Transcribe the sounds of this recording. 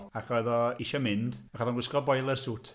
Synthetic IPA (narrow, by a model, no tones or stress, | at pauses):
aχɔjðɔiʃamɪndaχɔðɔnɡwɪskɔbɔjlˠəsuːtʰ